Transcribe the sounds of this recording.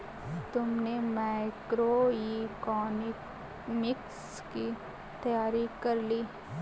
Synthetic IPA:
t̪ʊmnemaɪkɾoikɔːnɪ | mɪks | ki | t̪ɐjaːɾikɐɾliː

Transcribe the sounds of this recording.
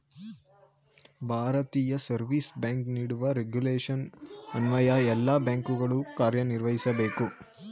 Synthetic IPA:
bʱaːɾɐt̪iːjɐsɐɾʋiːsbaːŋkniːɽuʋɐɾeɡjuleːʂɐnɐnʋɐjɐɛlːabaːŋkuɡɐɭukaːɾjɐniɾʋɐɦisɐbe̞ːku

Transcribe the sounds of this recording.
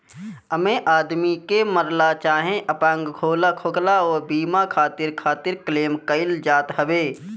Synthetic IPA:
əmẽʔaːd̪mikeməɾlat͡ʃaːɦẽʔəpãŋɡɡʱoːlakʰoklaɔːɾbiːmakʰaːt̪ɪɾkʰaːt̪ɪɾkleːmkəɪld͡ʒaːt̪ɦəʋeː

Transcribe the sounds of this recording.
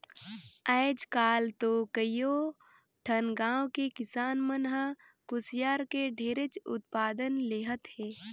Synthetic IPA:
əːd͡ʒkaːlt̪okəjoː | ʈʰənɡãːwkekɪsaːnmənɦə | kʊsjaːɾkeɖʱeːɾet͡ʃʊ̰t̪̚paːd̪ənleːɦət̪hɛː

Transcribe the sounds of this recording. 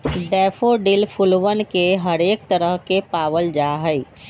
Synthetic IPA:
ɖɛːpʰoɖilpʰulʋənkeɦəɾeːkt̪əɾəɦkepaːwəld͡ʒaɦəi

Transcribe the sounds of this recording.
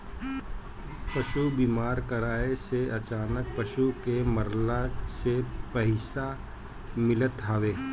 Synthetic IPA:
pɐʃubiːmaːɾkəɾaːeseɐt͡ʃaːnək̚pɐʃukeməɾlasepəɦɪsa | mɪlət̪ɦaːʋeː

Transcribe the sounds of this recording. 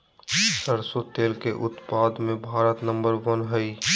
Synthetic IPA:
səɾsot̪eːlkeʔʊt̪paːd̪mẽbʱaːɾət̪nə̃mbəɾʋənɦəi

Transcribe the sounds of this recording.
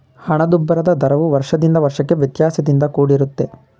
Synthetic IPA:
hɐɳɐd̪ubːɐɾɐd̪ɐd̪ʱɐɾɐʋuʋɐɾʂɐd̪ind̪ɐʋɐɾʂɐkːe̞ʋjɐt̪jaːsɐd̪ind̪ɐkuːɽiɾut̪ːe

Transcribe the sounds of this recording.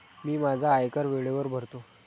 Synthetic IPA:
miːmad͡zʱaːjkəɾʋeɭeʋəɾbʱəɾt̪o

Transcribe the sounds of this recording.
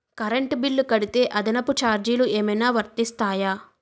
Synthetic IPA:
kɐɾeɳʈbilːukɐɽit̪e̞ːʔɐd̪inɐput͡ʃaːɾd͡ʒiːlueːmɐjnaːʋɐɾt̪ist̪aːjaː

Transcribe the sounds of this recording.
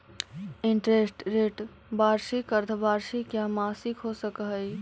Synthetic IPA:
iɳʈɾesʈɾeʈ | baɾsikəɾt̪ʰbaɾsikjamasikɦosəkɦəj

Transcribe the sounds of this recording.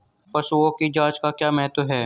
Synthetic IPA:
pɐsuõkid͡ʒaːt͡ʃkakjaːmɛɦt̪ɦɛː

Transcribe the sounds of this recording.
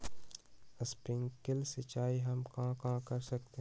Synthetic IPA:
əspɪ̃ŋkɪlsɪt͡ʃaːiɦɐmkãkãkɐɾsɐk̚t̪eɦ

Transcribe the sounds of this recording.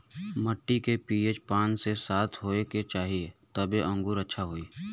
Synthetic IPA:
məʈːikepiːeːt͡ʃpãːnsesaːt̪ʰɦoːeket͡ʃaːɦiet̪əbeʔə̃ŋɡuːɾətːʃʰaɦoːiː

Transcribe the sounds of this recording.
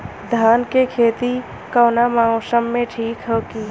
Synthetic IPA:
d̪ʱaːnkekʰeːt̪i | kəːnamaːosəmːẽʈʰiːkɦoki

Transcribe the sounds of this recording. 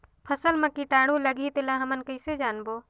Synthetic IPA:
pʰəsəlməkiʈaːɽũləɡʱit̪elaɦəmənkəɪsed͡ʒaːnboː

